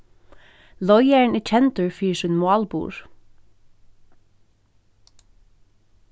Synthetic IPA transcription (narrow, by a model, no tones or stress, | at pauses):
lɔʏɛɳiːt͡ʃʰɛnt̪ʉɹfiːʃiːnmʊɑːlbṵːɹ